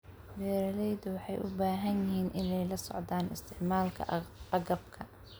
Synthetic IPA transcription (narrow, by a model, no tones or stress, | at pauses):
bɛːɾɐlɛjd̪ʊwɑħɑ̰jʔʊbaːɦɐnjɪɦiːnʔɪnɛjlɐsɔ̰ʕd̪aːnɪ̰st̪ʰɪʕmaːlkʰɐ̰ɐɡɐbkʰɐ